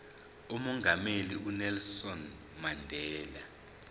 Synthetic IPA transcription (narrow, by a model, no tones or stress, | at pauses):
umɔŋɡʱameliunɛlsɔn | mandʱɛːla